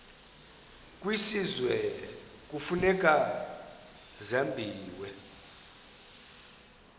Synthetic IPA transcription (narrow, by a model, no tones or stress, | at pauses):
kʼwisizwɛ | k̬ʼufunɛk̬ʼa | zambʱiːwɛ